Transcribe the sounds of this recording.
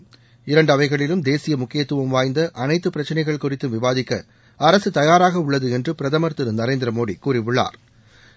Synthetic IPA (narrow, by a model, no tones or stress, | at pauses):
ɪɾɐɳɖɐʋɐɪɣɐɭɪlɯmd̪eːsɪjɐmʊkːɪjɐt̪ːɯʋɐmʋaːjnd̪ɐʔɐnɐɪt̪ːɯpːɪɾɐt͡ʃːɐnɐɪɣɐɭkʊrɪt̪ːɯmʋɪʋaːðɪkːɐ̰ | ɐɾɐsɯt̪ɐjaːɾaːɣɐʊɭːɐðɯɛndrɯpɪɾɐðɐmɐɾt̪ɯɾɯnɐɾeːnd̪ɪɾɐmoːɽikuːrɪʋɯɭːa̰ːɾ